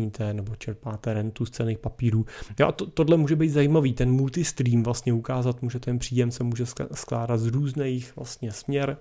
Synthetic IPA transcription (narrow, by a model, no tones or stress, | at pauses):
iːt̪ʰɛnɛbot͡ʃɛɾpaːt̪ɛɾɛnt̪ust͡sɛlneːxpapiːɾuːjoʔat̪ot̪odlɛmuːʒɛbejt̪zajimaviːt̪ɛnmult̪ɪst̪ɾiːmvlast̪ɲɛukaːzat̪muːʒɛt̪ɛnpr̥iːjɛmsɛmuːʒɛsskla̰ːdat̪zɾuːznejxvla̰st̪ɲɛsmɲɛɾ